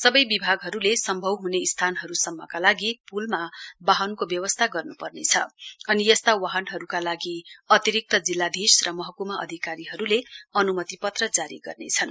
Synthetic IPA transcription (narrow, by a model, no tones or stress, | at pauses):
sʌbʌjbibʱaɡɦʌɾulesʌmbʱʌwɦuneist̪ʰanɦʌɾusʌmːʌkalaɡipulmabaɦʌnkobjʌwʌst̪ʰaɡʌrnupʌrnet͡sʰʌ̰ʌnijʌst̪awaɦʌnɦʌɾukalaɡiʌt̪iɾik̚t̪ʌd͡zilːad̪ʱisrʌmʌɦʌkumaʔʌ̰d̪ʱikaɾiɦʌɾuleʌnumʌt̪ipʌt̪rʌd͡zaɾḭɡʌ̰rnḛt͡sʰʌn